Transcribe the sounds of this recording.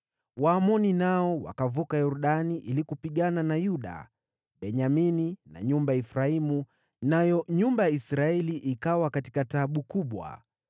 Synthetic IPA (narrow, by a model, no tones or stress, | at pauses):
waːmɔninaɔwa̰kavukajɔɾuɗaniʔilikupiɠananajuɗa̰ | ɓɛɲaminina̰ɲumbajaifɾaimu | najɔɲumbajaisɾaɛliʔikawakati̥kataɓukuɓwa̰